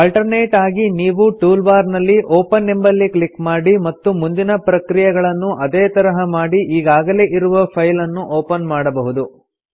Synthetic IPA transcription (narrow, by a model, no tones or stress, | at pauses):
ɐlʈɐɾneːʈaːɡiniːʋuʈuːlbaːɾnɐlːiʔoːpɐnːembɐlːiklikmaːɽimɐt̪ːumund̪inɐpɾɐkɾijɛɡɐɭɐnːuʔɐd̪eːt̪ɐɾɐɦɐmaːɽiʔiːɡaːɡɐle̞ːʔiɾuʋɐpʰɐjlɐnːuʔoːpɐnmaːɽɐbɐɦud̪u